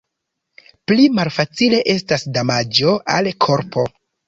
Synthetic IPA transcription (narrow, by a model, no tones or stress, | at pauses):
plimalfat͡sile̞ʔe̞stasdamad͡ʒo̞ʔalkʰo̞ɾpʰo̞